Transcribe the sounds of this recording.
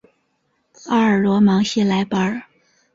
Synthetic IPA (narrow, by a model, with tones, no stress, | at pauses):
ɑ˥ə˞˨˩lwɔ˧˥mɑ˧˥ŋɕɛ˥la˧˥ɪpə˧˥